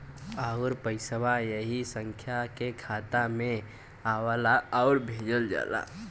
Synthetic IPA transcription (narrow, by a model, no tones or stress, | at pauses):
aʊɾpəɪsəʋajəɦisə̃ŋkʰjakekʰaːt̪amẽ | aːwalaɔʊɾbʱeːd͡ʒəld͡ʒa̰ːla̰ː